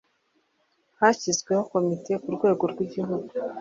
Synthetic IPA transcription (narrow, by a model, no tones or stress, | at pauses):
haçizɡwe̞ho̞ko̞mite̞kuɾɡwe̞ːɡo̞ɾɡwiɟihuɡu